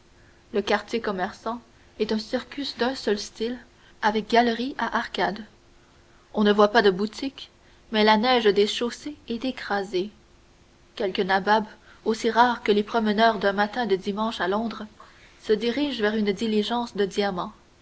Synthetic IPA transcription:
ləkaʁt̪jekɔmɛʁsɑ̃ | ɛt̪œ̃siʁkʲysd̪œ̃sœlst̪il | avɛk̚ɡʲalʁiaʔaʁkad̪ | ɔ̃nəvwapad̪əbut̪ʰik | mɛlanɛʒd̪eʃoseɛt̪ekχaze | kʲɛlkənabab | osiʁaːʁkəlepχɔmənœːʁd̪œ̃mat̪ɛ̃d̪əd̪imɑ̃ʃalɔ̃d̪ʁə | səd̪iʁiʒvɛʁynd̪iliʒɑ̃ːsd̪əd̪iamɑ̃

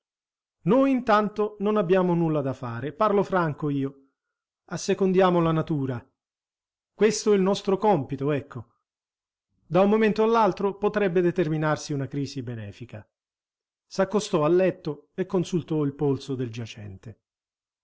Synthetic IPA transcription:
nojint̪ant̪ononabːjaːmonulːad̪afaːɾeparlofɾaŋkoiːo | asːekond̪jaːmolanat̪uːɾa | kwest̪oɛilnɔst̪ɾokɔmpit̪oɛkʰːo | d̪aummoment̪oalːalt̪ɾopot̪ɾɛbːed̪et̪erminarsiunakɾiːsibenɛ̰ːfika | sakːost̪ɔalːɛt̪ːoekːonsult̪ɔilpolsod̪eld͡ʒat͡ʃɛ̰nt̪e

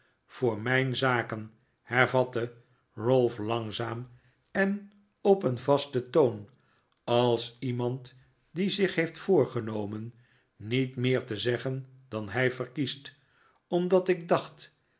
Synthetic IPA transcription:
v̥ʊːɹmɛjnzaːkən | hɛɹvɑtə | rølˠflɑŋzaːm | ɛn | ɔpənvɑstətown | ɑlˠsimɑnt | dizɪχɦejftfʊːɹχənowmənː | itmɪːɹtəzɛχən | dɑnɦɛjfərkist | ɔmdɑtɪɡ̚dɑχt

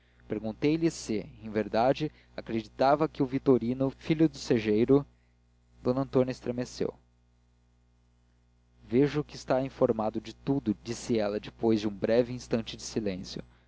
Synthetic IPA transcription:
peɾɡũt̪ejlisɪẽj̃veɾd̪ad͡ʒɪ | akɾed͡ʒit̪avɐkɪʊvit̪oɾinʊfiʎud̪ʊseʒejɾʊ | d̪̥õnɐ̃nt̪õnʲɐɪst̪ɾemesḛw | veʒʊkɪst̪aĩfoɾmad̪ʊd͡ʒɪt̪ud̪ʊd͡ʒisɪɛlɐd͡ʒɪpojzd͡ʒiũbɾɛviĩst̪ɐ̃t͡ʃɪd͡ʒɪsilẽsjʊ̰

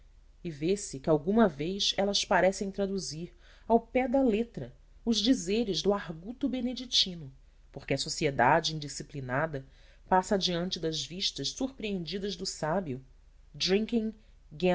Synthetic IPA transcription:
ɪvesɪkɪawɡũmɐvejsɛlɐspaɾɛsẽj̃t̪ɾad̪uziɾ | awpɛd̪ɐlet̪ɾɐ | ʊʒd͡ʒizeɾɪʒd̪ʊaɦɡut̪ʊbened͡ʒit͡ʃĩnʊ | poɾkɪɐsosied̪ad͡ʒɪĩnd͡ʒisiplinad̪ɐ | pasɐd͡ʒiɐ̃nt͡ʃɪd̪ɐzviʃt̪ɐʃsuɾpɾiẽnd͡ʒid̪ɐzd̪ʊsabiʊ | d̪ɾĩŋkĩŋ | ɡe

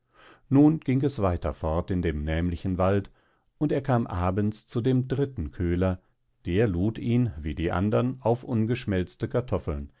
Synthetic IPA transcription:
nuːnɡ̥ɪŋɛsv̥aɪtʰɐ̰fɔɐtɪndeːmnɛːmlɪçn̩valt | ʊnteːɐkʰaːmʔaːbənt͡st͡sudeːmdʁɪtn̩kʰøːlɐ | d̥eːɐluːtiːnviːdiːʔa̰ndɐnaʊfʔʊnɡəʃmɛlt͡stəkʰaɐtʰɔfl̩n

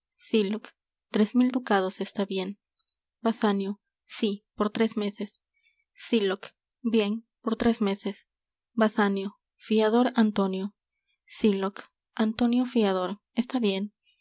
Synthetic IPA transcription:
silok | t̪ɾe̞zmild̪ukað̞o̞se̞st̪aβje̞n | basanjo | sipoɾt̪ɾe̞zme̞se̞sː | ilok | bje̞n | po̞ɾt̪ɾe̞zme̞ses | basanjo | fiaðo̞ɾant̪o̞njo | silok | ant̪o̞njo̞fiað̞o̞ɾ | est̪aβje̞n

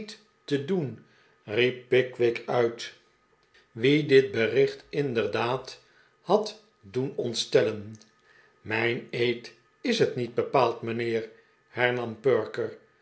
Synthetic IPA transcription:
t | tədun | ripːɪkʋɪkʰœɥt | ʋidɪt̚bərɪχtɪndəɹdaːt | hɑt | dunɔntstɛlən | mɛjnejt | ɪsɦətnid̚bəpaːlˠtmənɪːɹ | hɛɹnɑmpøɹkəɹ

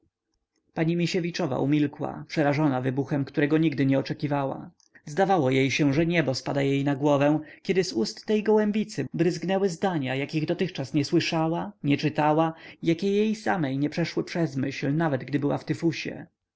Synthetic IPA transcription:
paɲimʲiɕevʲit͡ʂɔva̰ʔumʲilkwa̰pʂɛɾaʐɔnavɘbuxɛmkt̪uɾɛɡɔɲiɡd̪ɘɲɛɔt͡ʂɛkʲivawa̰ | zd̪avawɔjejɕɛ̃ʐɛɲɛbɔspad̪ajejnaɡwɔvɛ̃kʲɛd̪ɘzust̪ːɛjɡɔwɛmbʲit̪sɘbɾɘzɡnɛwɘzd̪aɲajakʲiɣd̪ɔt̪ɘxt͡ʂasɲɛswɘʂawaɲɛt͡ʂɘt̪awajakʲɛjejsamɛjɲɛpʂɛʂwɘpʂɛzmɘɕlnavɛd̪ɡd̪ɘbɘwa̰ft̪ɪfuɕɛ̰

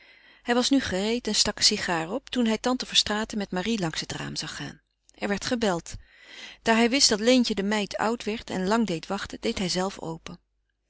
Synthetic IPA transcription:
hɛjʋɑsnyχərejtɛnstɑksiχaːrɔptunɦɛjtɑntəvəɹstraːtəmɛtmarilɑŋsɦətra̰ːmz̥ɑχa̰ːn | ʔɛɹʋɛɹtχəbɛlˠt | d̥aːɹɦɛjʋɪsd̥ɑtlejncədəmɛjtʰʌ̰wtʋɛɹtɛ̰nlɑŋdejtʋɑχtədejtɦɛjzɛlˠfo̰wpən

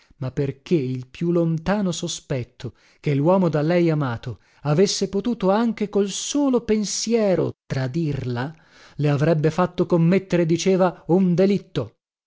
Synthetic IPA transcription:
mapːerk̟eilpjulont̪aːnosospɛt̪ʰːo | kelːwɔːmod̪alɛjamaːt̪o | avesːepot̪uːt̪oaŋk̟ekolsoːlopensjɛːɾo̰t̪ɾad̪irla | leavɾɛbːefat̪ːokomːet̪ːeɾed̪it͡ʃeːvaund̪elit̪ːo

